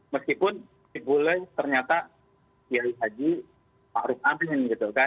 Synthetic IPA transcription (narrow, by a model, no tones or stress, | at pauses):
məskipʊn | ibolɛht̪ərɲat̪a | iaisad͡ʒi | maʔɾʊkabɪnɡit̪uka